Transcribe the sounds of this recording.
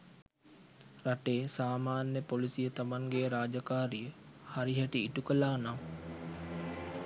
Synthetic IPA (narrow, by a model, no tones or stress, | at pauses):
raʈeːsaːmaːnjəpolisijət̪amaŋɡeɾaːd͡ʒakaːɾijəhaɾiɦæʈiːʈukəlaːnaw